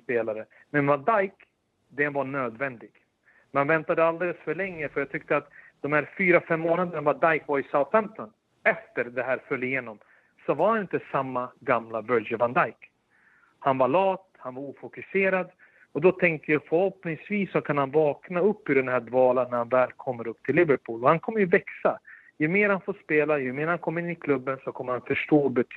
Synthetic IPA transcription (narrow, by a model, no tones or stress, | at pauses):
speːlaɾə | mɛnvad̪ajk | d̪ɛnvaɳøːd̪vɛnd̪ɪɡ̥ | mmanvɛnt̪ad̪əald̪eːləsfœɭɛŋːəfœɾjɑːt̪ʰʏk̚t̪əat̪d̪̥ɔmhæːɾfyːɾafɛmːoːnad̪ənavad̪ajkvaɾɪsaʊt̪fɛmt̪ɔn | ɛft̪əɾd̪ɛɦæːɾfœlːɪjeːnɔm | sɔvaɾhanɪnt̪əsamːaɡamlavœld͡ʒəvand̪ajk | hanvalɑːt̪hanvaɾuːfʊkɵseːɾad̪ | ɔd̪ɔt̪ʰɛŋk̚t̪əjɑfœɾhɔpnɪŋsviːsːɔkʰanhanvɑːknaɵpːʉd̪ɛnɦæːɖvɑːlanːæɾhanvɛːlkʰɔmːəɾɵpːt̪ʰɪlːɪvəɾpʰuːlɔhankʰɔmːəɾjɵvɛksa | jɵmeːɾhanfoːʂpeːlajɵmeːɾhankʰɔmːəɪnːɪkʰlɵbːənsɔkʰɔmːəɾhanfœʂʈoːbɛt̪ʰ